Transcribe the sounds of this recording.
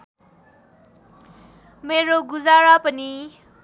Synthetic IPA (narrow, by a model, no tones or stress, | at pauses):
meɾoɡud͡zaɾapəni